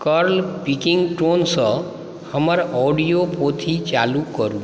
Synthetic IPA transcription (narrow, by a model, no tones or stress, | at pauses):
kəɾlpikiŋɡʈonsə̃ | həməɾɔɖijopot̪ʰit͡ʃa̰lukəɾũ